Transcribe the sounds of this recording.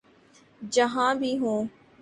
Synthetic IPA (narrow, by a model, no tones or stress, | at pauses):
d͡ʒəɦãːbʱiːɦõː